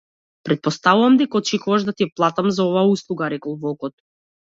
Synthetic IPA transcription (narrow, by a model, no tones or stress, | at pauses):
pɾɛt̪̚pɔst̪avuvamd̪ɛkaɔt͡ʃɛkuvaʒd̪at̪iɛplˠat̪amzaɔvaːuslˠuɡaɾɛkɔlˠvɔkɔt̪̚